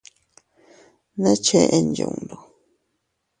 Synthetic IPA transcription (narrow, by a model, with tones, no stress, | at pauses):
nẽ˦t͡ʃe˧ʔe˧nd͡ʒṵ̃˨nd̪o˨